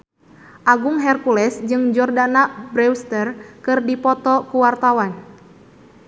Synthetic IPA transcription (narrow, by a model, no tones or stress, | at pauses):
ʔaɡuŋɦɛrkulɛsd͡ʒɨŋd͡ʒɔrdanabɾɛwst̪ərkɨrdipɔt̪ɔkuwart̪awan